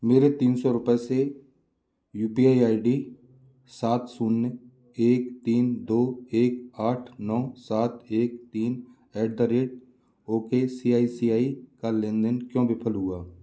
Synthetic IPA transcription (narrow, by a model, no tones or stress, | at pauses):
meːɾet̪iːnsɔɾʊpɛse | juːpiaːiaːiɖi | saːt̪sunː | eːkt̪iːnd̪oːeːkaːʈʰnɔːsaːt̪eːkt̪iːn | ɛːɖ̚d̪aɾeːʈ | oːkesiːaːisiːaːikalẽːnd̪ənkjõːbʱɪpʰəlɦʊaː